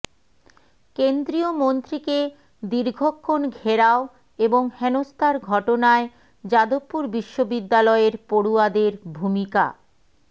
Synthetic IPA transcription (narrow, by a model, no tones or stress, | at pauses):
kend̪ɾiomont̪ɾike | d̪iɾɡʱokʰːonɡʱeɾao | eboŋhɛnost̪ʰaɾɡʱɔʈonae | d͡ʑad̪opːuɾbiʃːobid̪ːalɔeɾpoɽuad̪eɾbʱumika̰